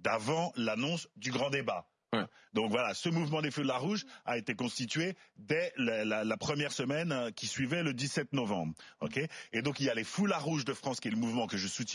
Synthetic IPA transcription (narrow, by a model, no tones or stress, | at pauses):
d̪avɑ̃lanɔ̃sd̪yɡʁɑ̃d̪ebã | d̪ɔ̃kvwalasəmuvmɑ̃d̪efulaʁuʒaet̪ekɔ̃st̪it̪ɥed̪ɛlɛlalapχəmjɛʁsəmɛnkʲisɥivɛləd̪isɛt̪̚nɔvɑ̰̃bʁo̰kʲeed̪ɔ̃kiljalefulaʁuʒd̪əfχɑ̃skʲiɛləmuvmɑ̃kəʒəsut̪